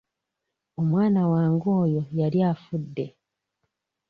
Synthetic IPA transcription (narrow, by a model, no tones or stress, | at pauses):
o̞mwaːnawaːŋɡoːjo̞jaljaːfudːe̞